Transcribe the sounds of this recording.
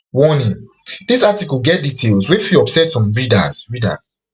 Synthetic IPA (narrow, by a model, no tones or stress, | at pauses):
wɔnĩŋ | d̥isatikulɡɛt̚ditʰelswefiɔpsɛtsɔ̃mɹida̰zɹida̰s